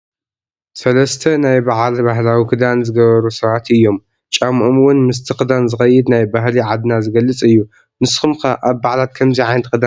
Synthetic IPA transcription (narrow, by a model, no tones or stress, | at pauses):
sɐlɐst̪ʰɐnajbaʕlbaɦlawikʰɨd̪anzɨɡɐβɐɾusɐβat̪ɨjːo̞m | t͡ʃʼamʔomwʊnmɨs̬t̪ʰɨxɨd̪anzɨxɐjɨd̪najbaɦliʕad̪nazɨɡɐlːɨt͡sʼɨjːu | nɨsxɨmkʰaʔaβbaʕlat̪̚kʰɐmziʕajnt̪kʰɨd̪a